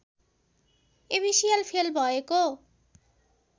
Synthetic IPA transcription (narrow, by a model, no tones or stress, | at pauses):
ebisialpʰelbʱɔeko